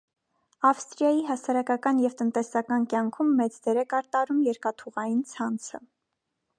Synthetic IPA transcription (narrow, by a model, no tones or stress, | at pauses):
ɑfst̪ɾijɑjiɦɑsɑɾɑkɑkɑnjɛvt̪ənt̪ɛsɑkɑnkʲjɑŋkʰumːɛt͡sd̪ɛɾɛkɑɾt̪ɑɾumjɛɾkɑt̪ʰuʁɑjint͡sʰɑnt͡sʰə̰